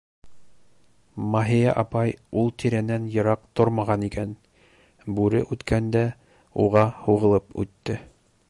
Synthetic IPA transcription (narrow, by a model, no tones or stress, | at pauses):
mɑɦijæ̰ʔɑpɑjulˠt̪ʰiɾænænjɤ̆ɾɑq̚t̪oɾmɑʁɑnikæn | bʉɾɘ̰ʔʉt̪kʰænd̪æ | uʁɑhuʁɤ̆lˠɤpʉ̰t̪ːɘ